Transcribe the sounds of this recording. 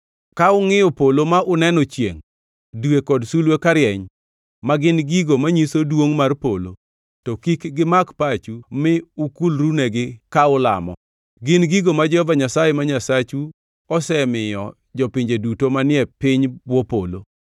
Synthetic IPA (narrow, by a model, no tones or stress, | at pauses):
kaʊŋɪjɔpolomaʔʊnɛnɔt͡ʃjḛŋ | dwekɔdsulwekaɾjɛɲ | maɡɪnɡiɡomaɲisodwoŋmarpo̰lo̰ | tɔkikɡɪmakpat͡ʃumɪʊkulɾuneɡɪkaʊla̰mɔ̰ | ɡɪnɡiɡomad͡ʒɛhɔvaɲasajemaɲasat͡ʃu | ɔsɛmɪjɔ | d͡ʒɔpɪɲd͡ʒedutomanɪɛpɪɲbwɔpo̰lo̰